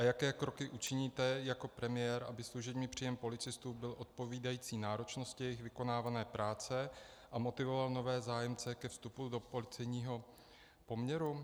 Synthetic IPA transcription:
ʔajakɛːkɾo̞kɪʔut͡ʃɪɲiːt̪ɛjako̞pɾɛmɪjɛːɾʔa̰bɪsluʒɛbɲiːpr̥iːjɛmpo̞lɪt͡sɪst̪uːbɪlʔo̞t̪̚po̞viːdajiːt͡siːnaːɾo̞t͡ʃno̞scɪjɛjɪxvɪko̞naːvanɛːpɾʔaːt͡sɛʔamo̞t̪ɪvo̞valno̞vɛːzaːjɛmt͡sɛkɛfst̪upudo̞po̞lɪt͡sɛjɲiːɦo̞ | po̞mɲɛɾu

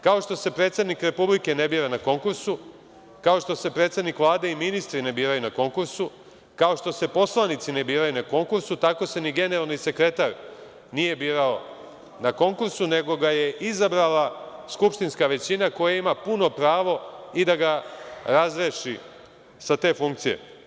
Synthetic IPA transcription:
kao̞ʃt̪o̞se̞pɾe̞ːt̪sed̪nikɾe̞publike̞ne̞biːɾanako̞ŋkuɾsu | kao̞ʃt̪o̞se̞pɾe̞t̪sed̪nikʋlˠaːd̪e̞iminist̪ɾine̞biːɾajunako̞ŋkuɾsu | kao̞ʃt̪o̞se̞po̞slˠanit̪sine̞biːɾajunako̞ŋkuɾsut̪ako̞se̞niɡe̞ne̞ɾalˠnise̞kɾe̞t̪aɾ | nije̞biːɾao̞ | nako̞ŋkuɾsune̞ɡo̞ɡaje̞ʔizabɾalaskupʃt̪inskaʋe̞t͡ɕinako̞jaimapuno̞pɾaːʋo̞id̪aɡaɾazɾeʃi | sat̪e̞ːfuŋk̚t̪sije̞̰

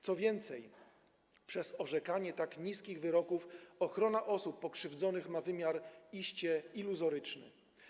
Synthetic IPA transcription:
t̪sɔvʲjɛnt̪sɛj | pʂɛzɔʐɛkaɲɛt̪akɲiskʲiɣvɘɾɔkufɔxɾɔnaʔɔsupːɔkʂɘvd̪zɔnɘxmavɘmʲjaɾiɕt͡ɕɛiluzɔɾɘt͡ʂnɘ̰

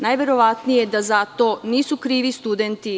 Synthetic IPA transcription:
najʋe̞ɾo̞ʋat̪nijed̪azat̪o̞niːsukɾiːʋist̪ud̪ent̪i

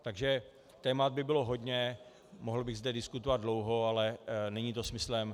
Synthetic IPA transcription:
t̪aɡʒɛ | t̪ɛːmad̪̚bɪbɪloɦo̞dɲɛ | moɦl̩bɪɣzdɛdɪskut̪ovad̪dlo̞wɦo̞alɛnɛɲiːt̪o̞smɪslɛm

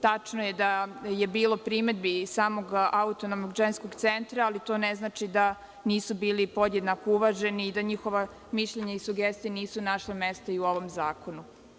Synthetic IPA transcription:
t̪at͡ʂnojed̪ajebiːlo̞pɾimed̪̚bisaːmo̞ɡaut̪onomnoɡʒensko̞ɡt̪sent̪ɾaːlit̪o̞neznaːt͡ʃid̪a | niːsubiːlipo̞d̪jed̪nakouʋaʒe̞niːd̪aɲixo̞ʋa | miʃʎeɲaisuɡest̪ijeniːsunaʃlamest̪aiuo̞ʋo̞mzaːko̞nu

